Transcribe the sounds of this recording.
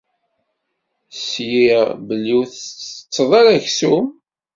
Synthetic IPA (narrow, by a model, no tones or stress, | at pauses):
sjibəlːiθt͡sːəðˤɑɾæʝsum